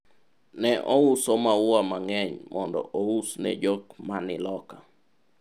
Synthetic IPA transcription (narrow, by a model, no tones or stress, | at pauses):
nɛʔɔusomawwamaŋɛɲmʔɔndɔ̰ʔousnɛ̰d͡ʒɔkmanɪlɔka